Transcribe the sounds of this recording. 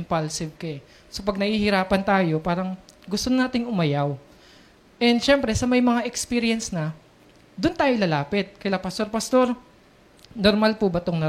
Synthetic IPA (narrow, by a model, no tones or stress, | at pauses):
mpalsɪb̚kɐɛ | sopɐɡ̚nɐhiːhɪɾaːpɐnt̪aːjo̞paːɾɐŋɡʊst̪onnaːt̪ɪŋʔʊmɐjaw | ʔɛnd̪ʃɛmpɾɛsɐmɐjmɐŋaʔɛkspiɾɪjɐnsnɐ | d̪ʊnt̪aːjolɐlaːpɪt̪̚kɐjlapɐst̪o̞ɾpɐst̪o̞ɾ | noɾmalpubɐt̪oŋnɐ